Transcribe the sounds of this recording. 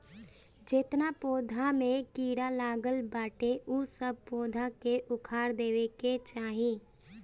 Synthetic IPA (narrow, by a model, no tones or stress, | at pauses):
d͡ʒɪt̪napoːd̪ʱamẽkiːɽalaːɡəlbaːʈeʔʊsəb̚poːd̪ʱakeʔʊkʰaːɾd̪eːʋeket͡ʃaːɦiẽː